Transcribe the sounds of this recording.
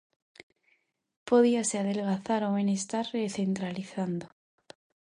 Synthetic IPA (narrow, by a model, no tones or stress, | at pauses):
po̞ðiaseaðe̞lɣaθaɾoβenest̪aɾreθe̞nt̪ɾaliθand̪o